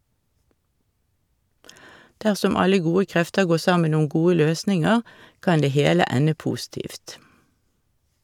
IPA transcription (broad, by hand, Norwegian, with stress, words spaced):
ˈdæʁsɔm ˈɑlə ˈɡuːə ˈkʁɛftə ˈɡoː ˈsɑmən ˈʊm ˈɡuːə ˈløːsnɪŋəʁ ˈkɑn ˈdeː ˈheːlə ˈænə ˈpuːˌstiːft